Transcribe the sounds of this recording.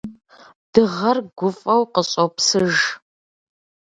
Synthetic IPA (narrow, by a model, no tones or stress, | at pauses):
dɨʁɐrɡʷʊfʼɐwqəɕʼopsɨʒ